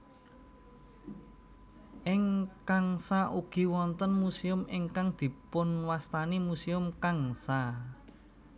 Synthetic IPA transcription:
ʔɪŋkaŋsaʔuɡ̥i̤wɔnt̪ənmusiʊmɪŋkaŋd̪̥i̤pʊnwast̪animusiʊmkaŋsa

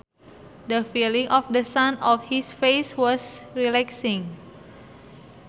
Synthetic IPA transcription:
dəfilĩŋʔɔfdəsãnɔfhisfeswɔsɹilɛksĩŋ

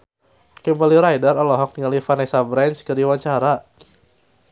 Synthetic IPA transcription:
kəmbaliɾajdarɔlɔɦɔk̚niŋalifanesabɾanskərdiwaɲt͡ʃaɾa

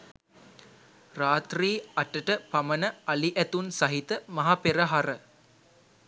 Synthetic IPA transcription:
raːt̪riːɐʈːɐʈɐpɐmɐnɐɐliʔæt̪unsɐɦit̪ɐmɐɦapeɾɐɦɐɾɐ

